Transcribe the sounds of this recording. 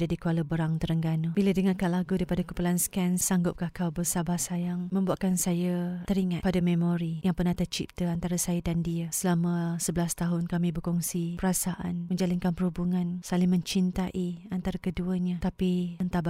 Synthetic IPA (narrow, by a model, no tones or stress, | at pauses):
d͡ʒadikualəbəɾaŋt̪əɾəŋɡanəbilədəŋakalaɡudaipadakupulanskɛnsaŋɡʊp̚kahkawbəsabahsajaŋmə̃mbuaʔkansajət̪əɾiŋapadamemoɾijaŋpərnaht̪ət͡ʃḭp̚t̪əant̪aɾasajədandiəsəlaməsəbəlast̪aɦʊnkamĩbərkɔŋsipəɾasaʔa̰nməɲd͡ʒalinkanpəɾhubuŋãnsalɪmə̃ɲt͡ʃint̪aʔiant̪aɾakəduəɲat̪apiənt̪aba